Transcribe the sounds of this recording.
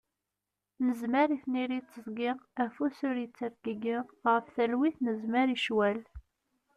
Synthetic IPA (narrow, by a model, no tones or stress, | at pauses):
nəzməɾiθniɾit͡sːəzˤɡiʁæfusʊɾjət͡sːəɾɡəɡiʁʁəfθælwiθnəzmæɾiʃwæl